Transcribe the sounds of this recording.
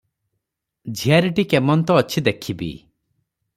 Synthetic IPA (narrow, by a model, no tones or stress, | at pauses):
d͡ʒʱijaɾiʈikemɔnt̪ɔːt͡ʃʰid̪ekʰibḭ